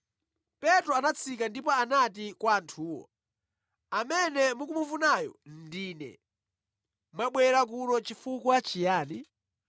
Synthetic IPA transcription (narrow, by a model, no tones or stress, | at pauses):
pɛtɾɔanat͡sʰikandipɔanatikwaːntʰuːwɔ̰ | amɛnɛmukumufunajɔ̰ndiːnɛ̰ | mwaɓwɛɾak̬uɾɔt͡ʃifukɔat͡ʃijaːni